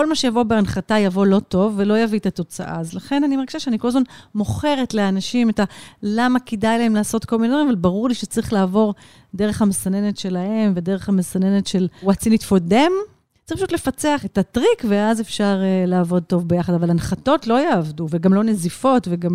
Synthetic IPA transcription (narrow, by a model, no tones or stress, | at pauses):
ko̞lmaʃejavo̞beanχatajavo̞lo̞to̞vːe̞lo̞javietato̞t͡sa̰ʔa̰ːzlaχe̞nanimaʁɡiʃaʃeanikolazmanmo̞χe̞ʁe̞tleanaʃimetalamakedajlaemlaːso̞tko̞lmined̪vʁimavalbaʁuʁliʃet͡sʁiχlaːvo̞ʁ | deʁe̞χhamesane̞ne̞tʃe̞lahe̞mve̞deʁeχhamesane̞netʃe̞lʁat͡sinitfode̞m̥ | ʁipfaʃutle̞fat͡seaχetatʁikveazefʃaʁlaːvo̞d̚to̞vbejaχadavalanχato̞tlo̞jeːvduveɡamlo̞ne̞zifo̞tveɡam